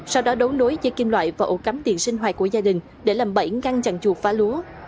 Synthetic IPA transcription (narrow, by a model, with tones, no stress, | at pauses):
sa˧wɗɔ˨˦ɗo˨˦wno˨˦jzə˨˦jki˧ŋ̟lwa̰ː˧˨jvaː˨˩ʔo˧˩ka˨˦mt̪ḭ˧˨ənsi˧ŋ̟ɦwaː˨˩t̚kːu˧˩əzaː˧ɗï˨˩ŋ̟ | ɗe˧˩laː˨˩mɓə˧˩jɣa˧ŋt͡ɕa̰˧˨ŋt͡ɕu˨˩faː˨˦lu˨˦ə